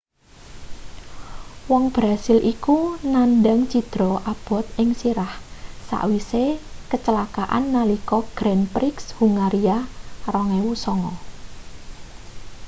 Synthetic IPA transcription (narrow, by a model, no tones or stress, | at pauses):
wɔŋb̥ɾasɪlʔikunanɖaŋt͡ʃid̪̥ɾɔʔab̥ɔ̤t̪̚ɪŋsiɾahsa̰ʔwisekət͡ʃəlakaʔa̰nːalikɔɡ̥ɾɛnpɾɪkshuŋaɾiarɔŋewusɔŋɔ